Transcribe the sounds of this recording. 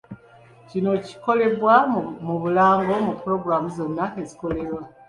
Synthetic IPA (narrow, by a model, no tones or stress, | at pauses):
cino̞ci̥ko̞le̞βwamuβulaːŋɡo̞mupuɾo̞ɡɾamuzo̞nːaeziko̞le̞ɾwa